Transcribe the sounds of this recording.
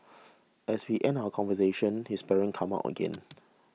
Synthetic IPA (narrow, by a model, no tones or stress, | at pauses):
ʔɛswiʔɛ̃ndaʊwəkʰɔ̃nvəseʃə̃nhispɛɹɪ̃ŋkʰãma̰ʊtə̰ɡɛ̰̃n